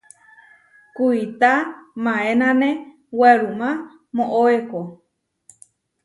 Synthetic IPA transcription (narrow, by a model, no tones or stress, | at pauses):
kuit̪amãẽnãnẽ | weɾumã | mõʔoeko